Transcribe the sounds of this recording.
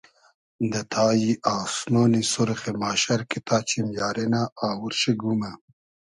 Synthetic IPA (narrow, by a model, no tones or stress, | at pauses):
nd̪ɐt̪ʰaːjiʔaːsnoːnisuɾxemaːʃɐɾkit̪ʰaːt͡ɕʰimjaːɾenaʔːwuɾʃeɡuma